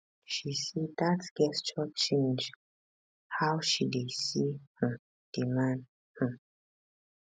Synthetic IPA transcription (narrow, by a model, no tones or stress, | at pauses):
ʃisidasɡ̥ɛst͡ʃɔtt͡ʃẽnd͡ʒ | hawʃidesihə | d̥imãn | hə